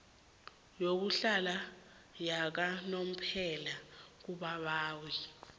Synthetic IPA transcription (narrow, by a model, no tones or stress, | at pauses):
jok̬uɬala | jak̬anom̩pʰɛlak̬uɓaɓaːwi